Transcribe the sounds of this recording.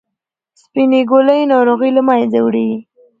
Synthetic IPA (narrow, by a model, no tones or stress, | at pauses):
spineɡoləjnɑɾoɣəjlamɑjed͡zawɽewi